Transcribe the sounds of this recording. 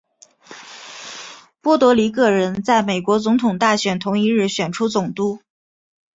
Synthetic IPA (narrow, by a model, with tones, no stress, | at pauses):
pwɔ˥˩t̪wɔ˧˥li˧˥k̬ɤ˥˩ɻə˧˥nt͡sa˥˩ɪme˨˩ɪkwɔ˧˥t͡sʊ˧˥ŋt̪ʰʊ˨˩ŋt̪a˥˩ɕɥɛ˨˩nt̪ʰʊ˧˥ŋi˧˥ɻɻ̩˥˩ɕɥɛ˨˩nʈ͡ʂʰu˥t͡sʊ˨˩ŋt̪u˥